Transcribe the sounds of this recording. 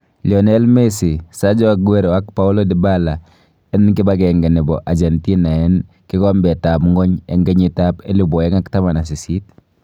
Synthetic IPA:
li˨ɔ˨nɛ˦lme˦si˨sa˦d͡ʒɔ˦˨kwe˦ɾwa˦kpa˦u˦lo˦dɪ˨ba˦la˨ | ɛ˦nkɪ˦ba˦kɛ˨ŋɡɛ˨nɪ˨bɔ˨ʔa˨d͡ʒɛ˨nti˦na˨ɛ˦n | kɪ˦kɔ˦mbɛ˨ta˨pŋɡɔ˦ɲɛ̰˦ŋɡɛ˦ɲi˨tape˦lu˦bɔ˨ɛ˦ŋa˦kta˦ma˨na˨s̬i˨si˦t

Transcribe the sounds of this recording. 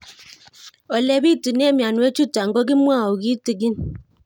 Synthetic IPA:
ɔ˨lɛ˦bi˦˨tu˨ne˦mja˨nwe˦t͡ʃu˦ta˨ŋ̩˦ɡɔ˦ɡi˦mwa˦˨o˨ɡi˦ti˨ɡi˦n

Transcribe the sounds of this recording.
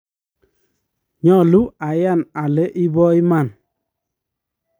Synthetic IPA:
ɲɔ˦˨lu˦a˨ja˦˨na˨le˦ʔi˦bɔ˦i˦ma˦˨n

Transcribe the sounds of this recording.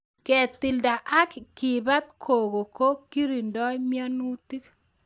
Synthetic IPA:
kɛ˨t̪i˨lda˨ʔa˦kki˨ba˦t̪̚kʰo˨ɡo˨ko˦ki˦ɾi˨ndɔ˦mjɔ˦nu˦t̪i˦k

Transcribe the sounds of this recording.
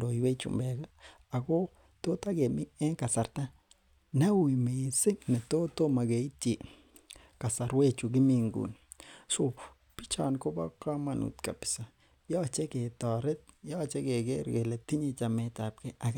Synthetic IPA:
do˨jwe˦t͡ʃṵ˨mbe˨ɡa˦ | a˨ɡo˦ | t̪o˦t̪a˦ɡe˨mi˦e˦ŋka˨sa˨ɾt̪a˦ | na˦wu˨jme˨se˦ŋne˨t̪o˦t̪o˦ma˨ɡe˨˦ti˨ | ka˨sa˨ɾwe˦t͡ʃu˨ɡi˦mi˧ŋɡṵ˨n | so˨ | pi˦t͡ʃa̰˨nko˦ba˦ka˦ma˧nṵ˨t̪ka̰˨pi̥˨sa˨ | ja˦˨t͡ʃe˦ɡe˨t̪a˨ɾe˦t̪̚ja˦a˨t͡ʃe˦ɡe˨ɡe˦ɾɡe˨le˨t̪i˦ɲe˧t͡ʃa˨me˧t̪a˨p̚ke˦a˨ɡ

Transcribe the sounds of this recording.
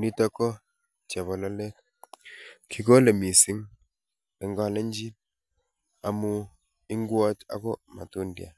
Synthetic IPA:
ni˦tɔ˦kɔ˦ | t͡ʃa˨βɔ˨lɔ˦lɛ˦k | kʰi˨ko˦le˨mi˨sɪ˦ŋ | lɛ˨ŋɡɔ˦lɛ˦ɲd͡ʒi˦ | a˨mu˦ | ɪ˦ŋɡwɔ˦t͡ʃa̰˦kɔ˦ma̰˨tu˦ndja̰˨

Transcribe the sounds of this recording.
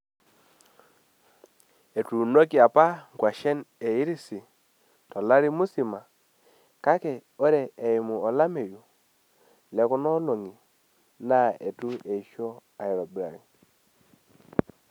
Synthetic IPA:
e˨tu˨no˦ki˨a˨pa˦ɡwa˨ʃɛ˦ne˨i˦ɾi˦si˨ | tɔ˨la˦ɾi˦mu˦si˨ma˨ | ka˦kɛ˨o˦ɾɛ˨ɛ˨ɪ˨mu˨ɔ˨la˦me˨ju˨ | lɛ˨kʊ˦nɔ˦lo˨ŋi˨ | na˦e˨tu˦e˨ʃo˦a˨i˨ɾɔ˨bɾa̰˨ɾḭ˨

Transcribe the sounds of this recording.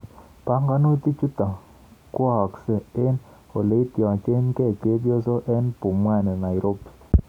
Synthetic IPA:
pa˦ŋɡa˦no˦t̪i˦t͡ʃi˦t̪a˨ | kwɔ˨ksɛ˨e˦n | o˨le˨i˦t̪jɔ˨t͡ʃe˦nkɛ˦˨ke˦bjo˦so˦ʔɛ˦npu˨mwa˦˨nɛ˨na˨i˨ɾo˦pi̥˨

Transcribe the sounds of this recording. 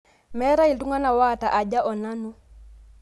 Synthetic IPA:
mɛ˦ɾa˦i˨ltu˦ŋa˦na˨wa˦˨ta˨ʔa˨ɟa˦ʔɔ˨na˦nu˦

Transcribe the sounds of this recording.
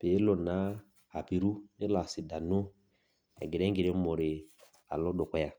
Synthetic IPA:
pe˨˦lɔ˨na˨˦ | a˨pi˨ɾu˦ne˦la˨si˨da˨no˦ | a̰˨ɡi˨ɾɛ˦ŋ˦ɡi˨ɾɛ˦mɔ˨ɾe˨ | a̰˨lɔ˦dɔ˨kɔ˦ja˨

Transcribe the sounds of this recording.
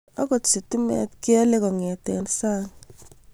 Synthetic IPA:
a˦kɔ˨tsi˨tu˦mɛ̰˨tkɪ˦ɛ˦le˦kɔ˨ŋɛ˨tɛ˨nsa˦ŋ

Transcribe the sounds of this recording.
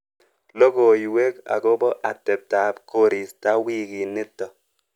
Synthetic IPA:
lo˦ko˨jwe˦ka̰˨ko˦bɔ˦ʔa˨te˨p̚ta˨˦pko˦ɾi˨sta˦wi˦˨ki˨ne˦tːɔ˨

